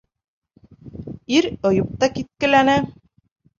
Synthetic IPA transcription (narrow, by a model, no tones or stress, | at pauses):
iɾŏjɤ̆p̚t̪ɑkit̪̚kɘ̆lænɘ